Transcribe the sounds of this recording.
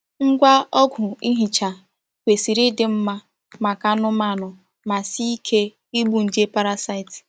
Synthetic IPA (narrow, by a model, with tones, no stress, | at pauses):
ŋ̩˦ɡʷa˦ɔ˦ɡʷʊ˨i˦ɦi˨t͡ʃa˨ | kʷe˨si˨ɾi˦dɪ˨m̩˦ma˦ | ma˨ka˦nʊ˦ma˦˨nʊ˨ | ma˨si˦i˦kʰe˦ | i˦ɡ͡bu˨n̩˨de˦pa˦ɾa˦sa˦ɪ˨t